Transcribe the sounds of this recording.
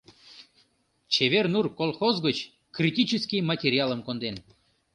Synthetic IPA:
t͡ɕeβernurkolˠxozɣət͡ɕ | krʲitʲit͡ɕəskʲijmɑtʲeɾʲiɑlˠəmkond̪en

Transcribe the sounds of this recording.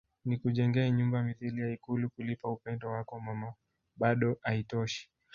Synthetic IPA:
nikuʄɛŋɡɛɛɲumbamiθiliaikulukulipaupɛndɔwakɔmama | ɓaɗɔʔaitɔʃi̥

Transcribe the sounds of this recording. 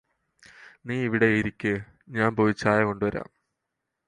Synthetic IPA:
niːiʋiɽe̞ɾikʲːɨ | ɲaːnpoʋit͡ɕːaːjɐko̞ɳɖuʋɐɾa̰ːm

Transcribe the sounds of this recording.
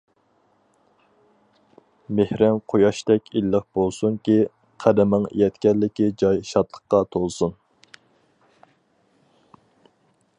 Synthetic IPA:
mehɾɪŋqʰojɑʃt̪ɛkʲilːəq̚b̥olˠsuŋkʲi | qʰæd̪ɪmɨŋjɛt̪kʲɛllːɪkʲid͡ʒɑjʃɑt̪lˠə̥qqːɑt̪ʰolˠsun

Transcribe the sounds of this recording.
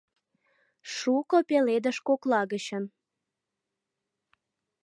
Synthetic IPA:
ʃukopeled̪əʃkoklɑɣət͡ɕən

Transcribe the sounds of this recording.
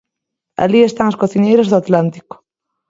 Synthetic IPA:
a̰liest̪aŋoskoθinejɾazðoat̪lant̪i̥ko̥

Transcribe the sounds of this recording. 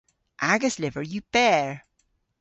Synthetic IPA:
ʔaɡəslɪvə˞jɨb̥ɛɹ

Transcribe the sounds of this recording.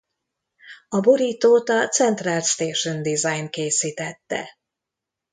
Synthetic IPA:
ɒboɾiːt̪oːt̪ɒt̪sɛnt̪raːlst̪eːʃønd̪izajnkeːsiːt̪ɛt̪ːɛ̰

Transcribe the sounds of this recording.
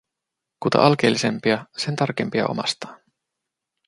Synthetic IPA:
kut̪ɑ̰ʔɑlk̟e̞̰ːlːise̞mpiɑse̞nt̪ɑrk̟empiɑ̰o̞̰mɑst̪ɑ̥ːn

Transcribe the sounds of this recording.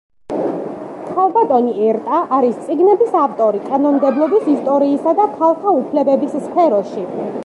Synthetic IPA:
t̪χʰalˠbat̪ʼɔniɛɾt̪ʼaʔaɾist̪sʼiɡnɛbisaft̪ʼɔɾikʼanɔmd̪ɛblˠɔbisist̪ʼɔɾiːsad̪apʰalˠχaupʰlɛbɛbisspʰɛɾɔʃi

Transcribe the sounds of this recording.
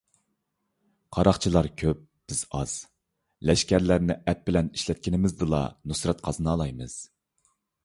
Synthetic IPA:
qʰɑɾɑχt͡ʃʰilˠɑɾkʲʰøp̚b̥ɪz̥ɑz̥ | lɛʃkʲæɾlæɾnɪʔɛpːɪlɛniʃlɛt̪̚kʲinɪmɪzd̪ɨlˠɑ̰nusɾɛt̪qʰɑzɨnɑːlˠɑjmɨz̥

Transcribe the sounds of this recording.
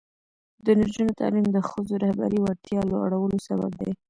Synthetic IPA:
d̪ənaɾd͡ʒunot̪ʰɑ̰limd̪əxəzoɾahba̰ɾiwaɾt̪jɑlaa̰ɽawəlosaba̰b̚d̪a̰j

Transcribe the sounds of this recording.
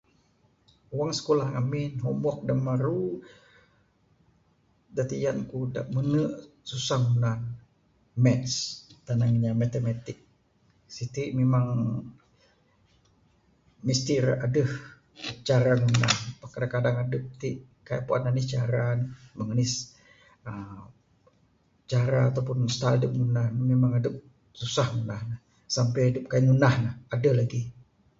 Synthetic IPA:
waŋsə̥kolahŋaminɦɔmɔk̚damaɾu | dat̪ijankuda̰ʔmənəʔsusaŋunan | mɛst̪anaŋɲamat̪emat̪ik̚ | sit̪iʔmemaŋ | mist̪ɪra̰dəh | t͡ʃaɾaŋunahpakadaŋkadaŋadəp̚t̪i | kaja̰ʔpuananist͡ʃaɾanuməŋənɪs | ə | t͡ʃaɾaːt̪awpʊnst̪aldəp̚ŋunahnmemaŋadəp̚ | susahŋunahnah | sampɛadəp̚kajaʔŋunahnahadalaɡi

